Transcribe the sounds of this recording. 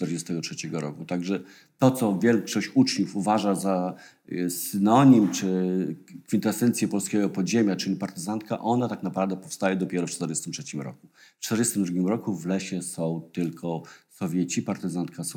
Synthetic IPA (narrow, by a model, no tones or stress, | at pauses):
t̪ɛɾd͡ʑɛst̪ɛɡɔtʂɛt͡ɕɛɡɔɾɔ̰kut̪aɡʐɛ | t̪ɔt̪sɔvʲjɛlkʂɔɕt͡ɕut͡ʂɲufuvaʐaza | sɘnɔɲimt͡ʂɘ | kfʲint̪ɛsɛnt̪sʲjɛpɔlskʲɛɡɔpɔd̪ʑemʲjat͡ʂɘlʲipaɾt̪ɘzant̪ka̰ʔɔnat̪aknapɾavd̪ɛpɔfst̪ajɛd̪ɔpʲjɛɾɔft͡ʂt̪ɛɾd͡ʑɛst̪ɘmtʂɛt͡ɕimɾɔ̰kuft͡ʂt̪ɛɾd͡ʑɛst̪ɘmd̪ɾuɡʲimɾɔkuvlɛɕɛsɔ̃w̃t̪ɘlkʰɔsɔvʲjet͡ɕipaɾt̪ɘzant̪kʰas